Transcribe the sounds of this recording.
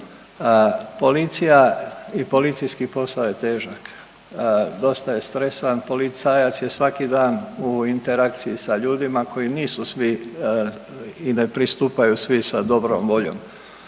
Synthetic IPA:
po̞lit̪sijaipo̞lit̪sijskipo̞saoje̞t̪e̞ːʒak | d̪o̞st̪aje̞st̪ɾe̞sʋanpo̞lit̪saːjat̪sje̞sʋakid̪aːnuint̪e̞ɾak̚t̪siisaʎuːd̪imakʰo̞jiniːsusʋi | ine̞pɾist̪uːpajusʋisad̪o̞bɾo̰mʋo̞ʎo̞̰m

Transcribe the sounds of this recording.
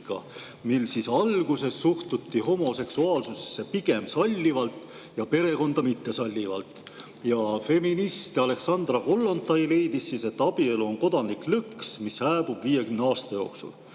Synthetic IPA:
kɑ̰ | milːsisɑlɡ̥use̞sːuht̪ut̪ːiho̞mo̞se̞ksuɑːlsuse̥sːe̞piɡ̥e̞msɑlʲːivɑlt̪ˑ | jɑpe̞ɾe̞ko̞nd̪̥ɑmit̪ːe̞sɑlʲːivɑ̰lt̪ˑ | jɑfe̞minist̪ɑle̞ksɑnd̪̥rɑko̞lːo̞nt̪ːˑɑjle̞jd̪isːise̞t̪ːˑɑb̥ie̞luo̞nko̞d̪̥ɑnikˑlɯksmishæːb̥ub̥viːje̞kymneɑːst̪ɑjo̞ːksṵl

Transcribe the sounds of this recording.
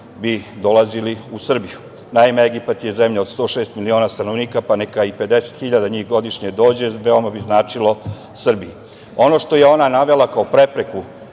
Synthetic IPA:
bid̪o̞lˠaziliusr̩biju | naimeeɡipat̪jeze̞mʎao̞d̪st̪o̞ːʃe̞ːst̪milio̞ːnast̪ano̞ʋniːkapanekaipe̞d̪e̞se̥t̪xiʎad̪aɲiːxɡo̞d̪iʃɲed̪o̞ːd͡ʑeʋeomabiznaːt͡ʂilo̞ | sr̩bii | o̞no̞ʃt̪o̞jeo̞nanaʋe̞lˠakaopɾe̞pɾe̞ku

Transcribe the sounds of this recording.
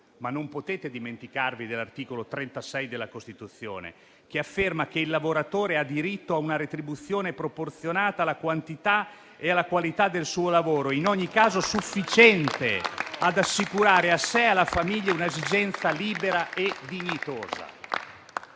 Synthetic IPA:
manːompot̪eːt̪ed̪iment̪ikarvid̪elːart̪iːkolot̪ɾɛnt̪asɛjd̪elːakost̪it̪ut̪sːjo̰ːnḛ | k̟eafːermakeilːavoɾat̪oːɾead̪ːiɾit̪ːoaunaɾet̪ɾibut̪sːjoːnepɾoport̪sjonaːt̪alakwant̪it̪a | ealːakwalit̪ad̪ːelsuːolavoːɾoinɔɲːikaːzosufːit͡ʃɛnt̪ead̪asːikuɾaːɾeasɛalːafamiʎːaunaezid͡ʒɛnt̪saliːbeɾaed̪iɲːit̪oːza̰

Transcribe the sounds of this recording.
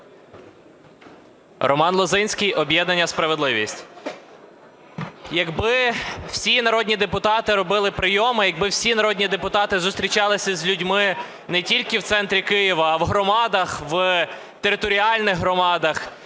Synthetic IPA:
rɔmɑnlˠɔzɪnʲsʲkijʔɔbʲjɛd̪nɐnʲːɐspɾɐʋed̪lˠɪʋʲisʲtʲ | jɐɡbɪw̥sʲinɐɾɔdʲnʲid̪epʊt̪ɑt̪ɪɾɔbɪlˠɪpɾɪjɔmɪjɐɡ̚bɪwsʲinɐɾɔdʲnʲid̪epʊt̪ɑt̪ɪzʊst̪ɾʲit͡ʃɑlˠɪsʲɐzʲlʲʊdʲmɪ | nɛtʲilʲkɪwt̪sɛnt̪ɾʲikɪjiʋɐːʋɦɾɔmɑd̪ɐxʋ | t̪eɾɪt̪ɔɾʲiɑlʲnɪɣɦɾɔmɑd̪ɐx

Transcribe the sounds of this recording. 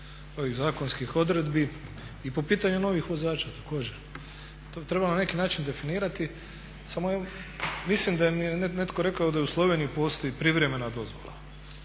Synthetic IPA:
o̞ʋiɣzaːko̞nskixo̞d̪ɾe̞d̪bi | ipo̞piːt̪aɲuno̞ʋixʋo̞zaːt͡ʃat̪ako̞ːd͡ʑeɾ | t̪ot̪ɾe̞banane̞kinaːt͡ʃind̪e̞finiːɾat̪i | samojamislimd̪ajemijenenet̪ko̞ɾe̞kaod̪ajeuslˠo̞ʋeniipo̞ːst̪o̞ipɾiʋɾe̞me̞nad̪o̞zʋo̞̰la̰

